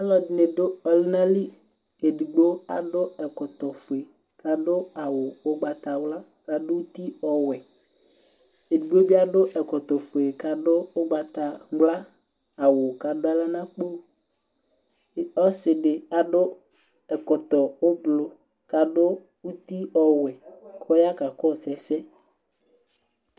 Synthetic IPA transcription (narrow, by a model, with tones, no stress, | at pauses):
a˦lɔ˨dɪ˨ne˨dʊ˦ɔ˨lɪ˦nã˦li˦ | e˨di˨ɡ͡bo˦a̰˨dʊ˦ɛ˨kɔ˨t̪ɔ˨fʊ˨e˨ | ka˨dʊ˦a˨wʊ˨ʊ˦ɡ͡ba˨t̪a˨wla˦ | ka˨dʊ˦u˦t̪i˦ɔ˨wɛ˨ | e˨du˨ɡ͡bo˦bi˦a˦ɖʊ˦ʔɛ˨kɔ˨t̪ɔ˨fu˨e˨ka˨dʊ˦ʊ˦ɡ͡ba˨t̪a˨wla˦ | a˨wʊ˨ka˨dʊ˦a˦la˦nã˦k͡po˦˨ | ɔ˦sɪ˨ɖɪ˨a˨ɖʊ˦ | ɛ˨kɔ˨t̪ɔ˨wo˦blo˨ | ka˨ɖʊ˦ | wu˦t̪i˦ɔ˨wɛ˨kʰɔ˦ja˦ka˨kɔ˦˨sɛ˨sɛ˦